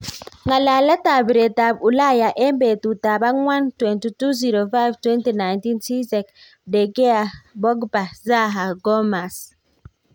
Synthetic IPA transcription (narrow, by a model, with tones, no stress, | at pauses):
ŋɡa˨la˨la˦ta˨bɾe˨ta˨bu˨la˦ja˨ʔɛ˦mbe˨t̪u˨ta˨ba˦ŋwa˦ntwɛ˨nti˨tu˦zi˨ɾo˨fa˦jvtwɛ˦nti˨na˨jnti˦nsi˦zɛ˨k | dɛ˨ɡɛ˦a˨bɔ˦ɡba˨za˦ɦa˨ɡɔ˦ma˨s